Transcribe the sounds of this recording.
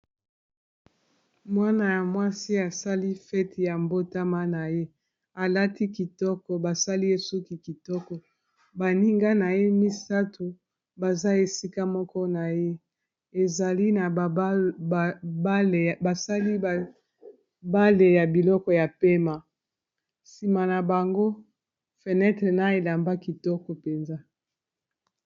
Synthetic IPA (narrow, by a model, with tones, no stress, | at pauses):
mwa˦na˨ja˨mwa˦si˦a˨sa˦li˦fɛ˦ti˨ja˨mbo˦ta˦ma˦na˨je˦ | a˨la˦ti˦ki˨tɔ˦kɔ˨ba˨sa˦li˦e˨su˦ki˨ki˨tɔ˦kɔ˨ | ba˨ni˦ŋɡa˦na˨je˦mi˦sa˦tu˨ | ba˨za˦e˨si˦ka˦mɔ˦kɔ˦na˨je˦ | e˨za˨li˦na˨˦ | ba˦lba˨sa˦li˦˨ | ba˦le˨ja˨bi˨lɔ˦kɔ˨ja˨pe˦ma˨ | si˨ma˨na˨ba˨ŋɡo˦ | fe˨nɛ˦tʁe˨na˦e˨la˨mba˦ki˨tɔ˦kɔ˨pe˨nza˦